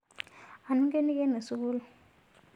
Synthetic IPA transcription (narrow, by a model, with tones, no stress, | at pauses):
a˨nu˦ŋke˦ni˦ke˦ne˨su˦k̬u˦lu˨